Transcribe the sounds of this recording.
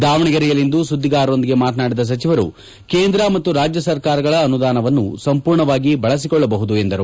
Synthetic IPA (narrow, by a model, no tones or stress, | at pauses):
d̪aːʋɐɳiɡɐɾijɐlːind̪usud̪ːiɡaːɾo̞nd̪iɡe̞maːt̪̬naːɽid̪ɐs̬ɐt͡ʃiʋɐɾṵ | keːnd̪ɾɐmɐt̪ːuɾaːd͡ʒjɐsɐɾkaːɾɐɡɐɭɐːnud̪aːnɐʋɐnːusɐmpuːɾɳɐʋaːɡibɐɭɐs̬ikɔɭːɐbɐɦud̪uend̪ɐɾu